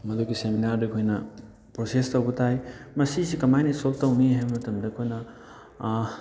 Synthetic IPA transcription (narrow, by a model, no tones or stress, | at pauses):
mɐd̪okiseminaɾdekʰojnɐ | pɾosestɐwɡɯtʰajmɐsisikɐmajnisoltɐwmiɦajmɐtumdɐkʰojnɐ